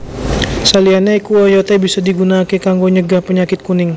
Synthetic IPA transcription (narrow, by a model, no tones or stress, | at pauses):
salianaikuajot̪ɛbisadiɡunaːkɛkaŋɡoɲəɡahpəɲakɪt̪̚kunɪŋ